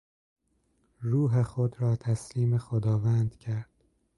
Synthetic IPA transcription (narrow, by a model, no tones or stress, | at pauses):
ɾuːɦexod̪ɾɒːt̪ʰæsliːmexod̪ɒːvæːnd̪̥cʰæɾd̪̥